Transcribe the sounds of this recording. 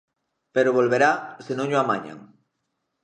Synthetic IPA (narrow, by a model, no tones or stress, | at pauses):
peɾoβolβeɾasenõŋʎoamaɲa̰ŋ